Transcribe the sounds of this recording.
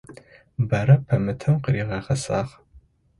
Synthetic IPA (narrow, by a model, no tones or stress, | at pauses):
bɐɾɐpʰɐmɨtʰɐmqəɾiːʁɐʁɐsaːʁ